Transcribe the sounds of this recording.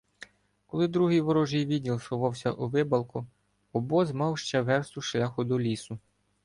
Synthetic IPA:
kɔlˠɪd̪ɾuɦijʋɔɾɔʒijʋʲidʲnʲilˠsʊʋɑwsʲɐ̰ʔuʋɪbɐlˠkʊ | ɔbɔzmɑwʃt͡ʃɛʋɛrst̪ʊʃlʲɑxʊd̪ɔlʲisʊ

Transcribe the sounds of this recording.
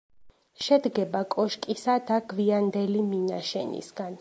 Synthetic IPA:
ʃɛd̪ɡɛbakʼɔʃkʼisad̪aɡviand̪ɛlimina̰ʃɛ̰nḭsɡ̥an

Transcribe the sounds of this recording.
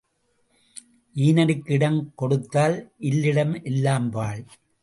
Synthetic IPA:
ʔiːnɐɾɯkːɪɽɐmkɔɽɯt̪ːaːlʔɪlːɪɽɐmʔɛlːaːmpaːɭ

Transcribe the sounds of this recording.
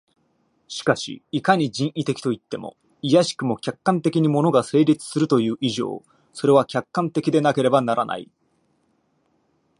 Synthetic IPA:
ɕi̥kaɕḭːkaɲ̟id͡ʑĩɰ̃ʔit̪e̞kʲi̥t̪o̞it̪ːe̞mo̞̰ | ijaɕi̥kɯ̟mo̞kʲakːãnt̪e̞kʲiɲ̟imo̞no̞ɡase̞ːɾʲit͡sɨ̥sɨɾɯ̟t̪o̞jɯ̟ːʔiʑo̞̰ː | so̞ɾe̞β̞akʲakːãnt̪e̞kʲid̪e̞nake̞ɾe̞banaɾana̰ḭ

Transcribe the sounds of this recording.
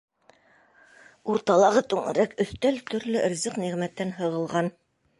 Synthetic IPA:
uɾt̪ɑlˠɑʁɤt̪ʉŋɘ̰̆ɾækɵ̆θt̪ælt̪ɵ̆ɾlɵʔɘ̆ɾzɘqniʁmæt̪ːænɦɤ̆ʁɤ̆lˠʁɑn

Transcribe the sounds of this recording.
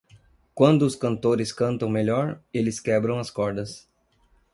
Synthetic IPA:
kwɐ̃nd̪ʊːskɐ̃nt̪oɾɪskɐ̃nt̪ɐ̃w̃meʎɔɾelɪskɛbɾɐ̃w̃ɐskɔɾd̪ɐs

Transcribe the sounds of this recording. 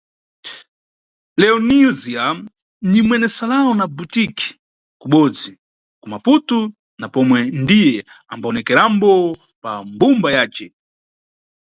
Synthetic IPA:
lɛɔnizia | nimwɛnɛsalaɔnabutiki̥ | kuɓɔd͡zi | kumaputu | napɔmwɛndijɛ | ambaɔnɛkɛɾambɔ | pambumbajaːt͡ʃɛ

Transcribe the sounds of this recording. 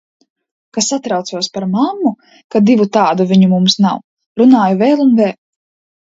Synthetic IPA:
kasat̪ɾawt̪suɔspaɾmamːu | kad̪ivut̪aːd̪uvʲiɲumumsnaw | ɾunaːjuvɛːlˠunvɛːl

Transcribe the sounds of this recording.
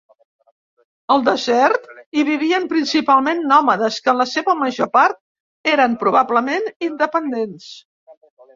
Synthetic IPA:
əlˠd̪əzɛɾt̪iβiβ̞iəmpɾinsipalˠmenːɔməðəskənləseβəməʒopaɾt̪̚ | eɾəmpɾuβ̞abləmenind̪əpənd̪ens

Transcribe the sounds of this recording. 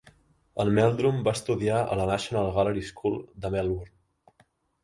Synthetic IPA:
əlmɛlˠd̪ɾumbaəst̪uðiaʔə̰lənaʃunalˠɣaləɾiskʰulˠd̪əmɛlwuɾn

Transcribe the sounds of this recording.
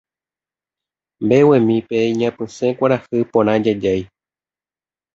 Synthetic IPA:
mbe̞wẽmĩpeiɲãpɨ̃sẽkʷaɾahɨpõɾ̃ãd͡ʒad͡ʒaj

